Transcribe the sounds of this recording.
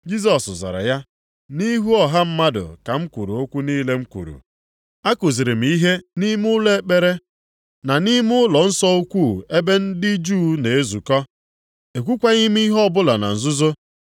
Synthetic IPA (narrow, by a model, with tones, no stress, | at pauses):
d͡ʒi˦s̬ɔ˨szɔ̰˨ɾɔ̰˨ja˦ | ni˦ɦu˦ɔ˨ɦa˦m̩˦ma˦dʊ̰˨ka˨ŋ͡m̩˦kʷṵ˨ɾṵ˨o˦kʷu˦ni˦le˦ŋ͡m̩˦kʷṵ˨ɾṵ˨ | a˦ko˨zi˨ɾɪ˨m̩˨i˦ɦe˦ni˦m˦ʊ˦le˦k͡pe˨ɾe˦ | na˨ni˦m˦ʊ˦lɔ˨n̩˦sɔ˦u˦kʷu˦˨e˦be˦n̩˦dɪ˦d͡ʒuː˦ne˨e˦zu˨kɔ˦ | e˨k̬ʷu˦kʷa˦ɲi˦m˦i˦ɦɔ˦bʊ˦la˨na̰˨n̩˨zʊ˦zo˦